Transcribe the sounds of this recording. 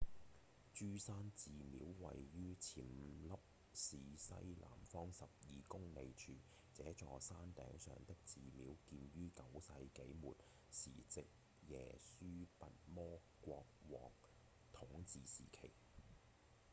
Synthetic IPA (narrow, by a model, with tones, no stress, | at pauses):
t͡ʃyː˥saː˥nt͡siː˨mḭː˨˥wwɐ̰˨jɥyː˥t͡sʰiː˨˩mlɐ˥p̚ | siː˨sɐ̰˥jlʔa̰ː˨˩mfɔː˥ŋsɐ˨p̚jiː˨˧kʊ˥ŋne˧jt͡ʃʰyː˧ | t͡sɛː˨˥t͡ʃɔː˨˧saː˥nt̪ɛ̰ː˨˥ŋsœ̰ː˨ŋt̪ɪ˥k̚t͡siː˨miː˨˥wkiː˧nɥyː˥kɐ˨˥wsɐ˧jke˨˥jmṵː˨t̚ | siː˨˩t͡sɪ˨k̚ | jɛ̰ː˨˩syː˥pɐ˨t̚mɔː˥ɔː˧kwɔː˧k̚ | t̪ʰʊ˨˥ŋt͡siː˨sḭː˨˩kʰe˨˩j